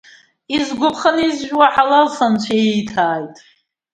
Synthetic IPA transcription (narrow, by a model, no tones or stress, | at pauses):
izɡʷʊpʰχənizʒᶣwaħalasant͡ʃʷʰaejtʰaːjtʼ